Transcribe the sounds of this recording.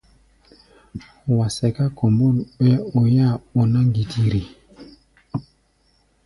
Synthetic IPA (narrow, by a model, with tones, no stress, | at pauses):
wa˨sɛ˨ka˦ko˨mbo˦˨lɓɛ˦o˨ja˦˨o˨na˦ŋɡi˨tʰi˨ɾi˨